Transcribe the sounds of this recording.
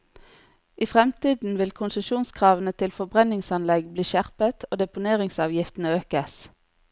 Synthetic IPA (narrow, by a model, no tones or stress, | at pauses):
ʔiːfʁɛmt̪iːd̪n̩ʋɪlkʰʊnsəʃuːnskʰʁɑːʋənət̪ʰɪlfɔbʁɛnɪŋsɑnlɛɡbliːʃæʁpət̪ʰoːd̪ɛpʊneːʁɪŋsɑːʋjɪft̪n̩əøːkəs